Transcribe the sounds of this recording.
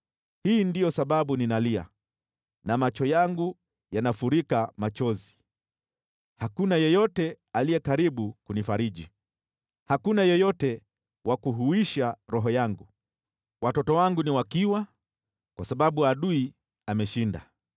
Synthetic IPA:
hiːndijɔsaɓaɓuninalia̰ | namat͡ʃɔjaŋɡu | janafuɾikamat͡ʃɔzi | hakunajɔjɔtɛ | alijɛkaɾiɓukunifaɾiʄi | hakunajɔjɔtɛ | wakuɦuiʃaɾɔɦɔjaŋɡu | watɔtɔwaŋɡuniwakiwa | kwasaɓaɓuaɗui | amɛʃinda̰

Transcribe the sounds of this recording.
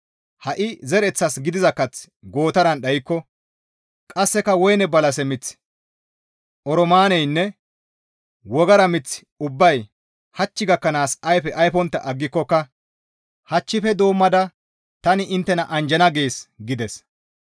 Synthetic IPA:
hɐʔɪzɛɾɛt͡sːɐsɡɪd̪ɪzɐkːɐt͡s | ɡo̞ːt̪ɐɾɐnɗɐjɪkːɔ | kʼɐsːɛkɐwɔjnɛbɐlɐsɛmɪt͡s | ʔɔɾɔmaːnɛjnːɛ | wɔɡɐɾɐmɪt͡sː | ʊbːɐj | hɐt͡ʃːɪɡɐkːɐnaːsɐjfɛʔɐjfɔnt̪ːɐ̰ʔɐɡːɪkːɔkːɐ | hɐt͡ʃːɪfɛd̪o̞ːmːɐd̪ɐ | t̪ɐnɪʔɪnt̪ːɛnɐʔɐnd͡ʒɛnɐɡeːsɡɪd̪ɛs

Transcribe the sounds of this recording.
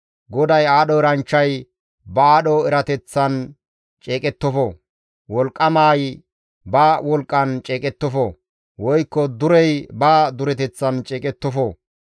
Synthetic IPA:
ɡɔd̪ɐjaːɗɔɛɾɐnt͡ʃːɐj | bɐaːɗɔɛɾɐt̪ɛt͡sːɐn | t͡ʃʼeːkʼɛt̪ːɔfɔ | wɔlkʼːɐmaːj | baːwɔlkʼːɐnt͡ʃʼeːkʼɛt̪ːɔfɔ | wɔjkːɔd̪ʊɾɛjbaːd̪ʊɾɛt̪ɛt͡sːɐnt͡ʃʼeːkʼɛt̪ːɔfɔ

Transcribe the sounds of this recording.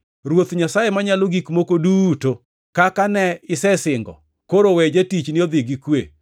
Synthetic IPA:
ɾwot̪ɲasajemaɲaloɡikmokoduto | kakanɛɪsɛsɪŋɡɔ̰ | koɾowɛd͡ʒetit͡ʃnɪod̪ɪɡikwe

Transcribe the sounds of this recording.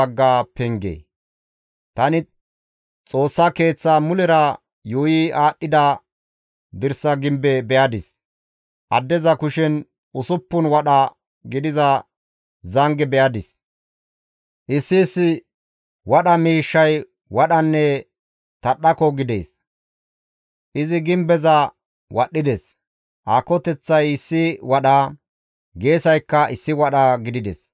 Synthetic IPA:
ɐɡːaːpɛŋɡḛː | t̪ɐnɪ | t͡sʼo̞ːsːake̞ːt͡sːaːmʊlɛɾɐ | juːjiʔaːɗːɪd̪ɐ | d̪ɪɾsɐɡɪmbɛbɛjɐd̪ɪs | ʔɐ̰d̪ːɛzɐkʊʃɛn | ʊsʊpːʊnwɐɗɐ | ɡɪd̪ɪzɐ | zɐŋɡɛbɛjɐd̪ɪs | ʔɪsːɪːsːɪ | wɐɗɐmiːʃːɐj | wɐɗɐnːɛ | t̪ɐɗːɐkɔɡɪd̪ḛːs | ʔɪzɪɡɪmbɛzɐ | wʔɐɗːɪd̪ɛs | ʔaːkɔt̪ɛt͡sːɐjɪsːɪwɐɗɐ | ɡe̞ːsɐjkːɐʔɪsːɪwɐɗɐɡɪd̪ɪd̪ɛ̰s

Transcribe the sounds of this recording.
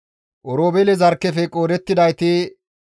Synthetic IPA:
ʔɔɾoːbɛlɛzɐɾkːɛfɛkʼoːɾɛt̪ːɪd̪ɐjt̪ɪ

